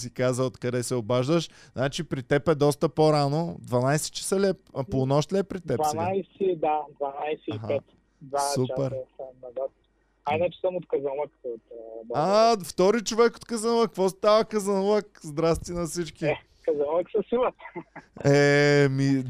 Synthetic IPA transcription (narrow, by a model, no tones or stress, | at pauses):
sikazəot̪kɐd̪ɛsɛobaʒd̪əʃ | znat͡ʃipɾit̪ɛpɛd̪ɔst̪əpoɾanod̪vɐnajsɛ̥t͡ʃə̥səlʲɛp̚ponɔʃt̪lʲɛpːɾit̪ɛpvsanajsɛd̪ad̪vanajsɛiɦaɛt̪ | d̪vasupɛɾsanɐd̪at̪ | ajnɛt͡ʃɛ̥sɐmot̪kɐzalˠəkot̪aft̪ɔɾit͡ʃovɛko̥t̪kəzɐnlˠəkvɔst̪avəkɐzɐnlˠəkzd̪ɾast̪inɐsit͡ʃkiɛ | kɐzɐnlˠəksɐsilˠət̪ | ɛmi